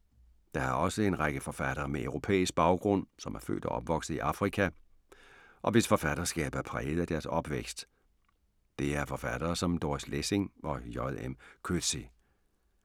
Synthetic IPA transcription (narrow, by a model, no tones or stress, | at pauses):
d̥ɑ̈ɑ̈ɒ̽səe̝nʁɑ̈ɡ̥əfɒ̽fæd̥ɐːmeæʊʁo̝pʰḛːisɡ̥̚b̥ɑ̈ʊɡ̥ʁɔ̽n̰sɒ̽mæɐfø̰ːld̥æ̰ʔɒ̽b̥ʋɒ̽ɡ̥səiʔɑ̈fʁikʰæ | ʔɒ̽ʋe̝sfɒ̽fæd̥ɐsɡ̥ɛ̰ːb̥æɐpʰʁɛ̰ːð̩ˠæd̥æɐsɒ̽b̥ʋeɡ̥sd̥ | d̥e̝æɐfɒ̽fæd̥ɐːsɒ̽md̥oːslese̝ŋʔɒ̽jɒðˠemkʰø̥si